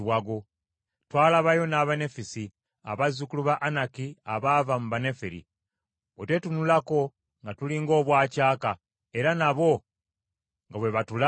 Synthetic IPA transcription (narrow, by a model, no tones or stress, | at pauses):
waɡo̞ | twaːlaβajo̞naβane̞fisi | a̰βazukuluβaʔanakiaβavamuβanefiɾḭ | otwetunulako̞ | ŋɡatuliŋɡo̞ːβwaːcaːka | e̞ɾanaβo̞ | ŋɡaβwe̞βatula